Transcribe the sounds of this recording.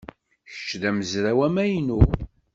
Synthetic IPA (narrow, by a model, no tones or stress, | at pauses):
çə̥t͡ʃːðæməzɾæwæmæjnu